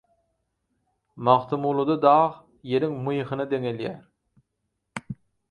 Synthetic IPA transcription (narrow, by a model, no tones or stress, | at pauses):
mɑχt̪ʰɯmulˠud̪ɑd̪ɑːʁ | je̞ɾiŋmɯjχɯnɯd̪eŋeljæːɾ